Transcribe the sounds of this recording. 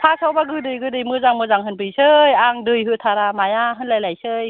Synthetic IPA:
tʰasawbaɡɯdɯjɡɯdɯjmɯzaŋmɯzaŋɦɯnpʰɯjsɯjaŋdɯjɦɯtʰaɾamajaɦɯnlajlajsɯj

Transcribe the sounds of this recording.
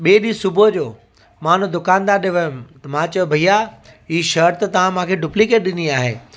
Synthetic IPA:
ɓeːɗisʊbʱod͡ʑoː | mãːn̤ũd̪ʊkãːnd̪aːɾɗɪʋəj̃t̪ɐmãːt͡ɕɐbʱɐija | iːʃɐɾt̪ɐt̪ɐʋ̤ãmãːkʰeɖʊplikeːʈ̚ɗɪniaːɦḛː

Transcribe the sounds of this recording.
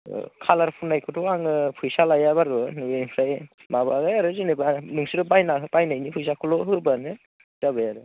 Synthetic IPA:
kʰalaɾpʰunajkʰɯtʰɔaŋɯpʰujsalajaβaɾɯnuenpʰɾaj | maβaɡajaɾɯzinebanuŋsiɾɯbajnaɦbajnajnipʰujs̬akʰɯlɔɦɯɾbanɯ | taβɯjaɾɯ

